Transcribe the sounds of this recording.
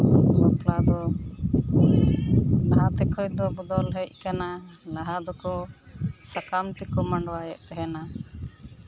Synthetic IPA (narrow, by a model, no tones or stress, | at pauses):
hɔplad̪ɔ | laɦat̪ɛkʰɔjd̪ɔbud̪ɔlɦəc̚ˀkana | laɦad̪ɔkɔ | sakamt̪ikɔmaɳɖwajɛʔt̪ɛɦɛna